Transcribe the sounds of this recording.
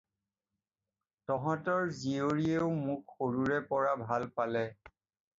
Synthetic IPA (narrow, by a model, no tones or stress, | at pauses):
tɔɦɔ̃tɔɹzioɹieʊmʊkxoɹuɹɛpɔɹabʱalpalɛ